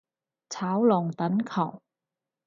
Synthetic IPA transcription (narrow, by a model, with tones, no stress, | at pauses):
t͡sʰaː˨˥wlɔː˨˩ŋt̪ɐ˨˥nkʰɐ˨˩w